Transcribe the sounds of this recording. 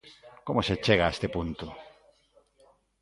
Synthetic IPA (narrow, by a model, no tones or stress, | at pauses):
komoset͡ʃeɣaest̪epunt̪ʊ